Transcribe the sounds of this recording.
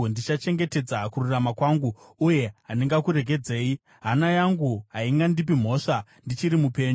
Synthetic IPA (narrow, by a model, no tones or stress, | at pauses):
ndit͡ʃat͡ʃe̞ŋɡe̞te̞d͡zakururamakwaŋɡu | uje̞ɦaniŋɡakuɾe̞k̬e̞d͡ze̞ːi | ɦanajaŋɡuɦaiŋɡandip̬im̤o̞ːʂandit͡ʃiɾimupe̞ːɲ